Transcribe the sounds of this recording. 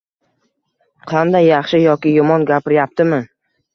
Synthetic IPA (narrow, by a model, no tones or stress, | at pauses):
qʰɑnd̪ajːɑχʃɪjɒkʲɪjʊmɒnɡʲapɪɾjap̚t̪ʰɪmɪ